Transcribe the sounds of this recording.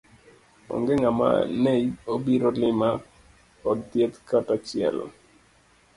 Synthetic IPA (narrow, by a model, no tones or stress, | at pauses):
ɔ̰ŋɡɛŋama̰neiobiɾolɪma | ɔddjet̪katat͡ʃɪɛ̰l̰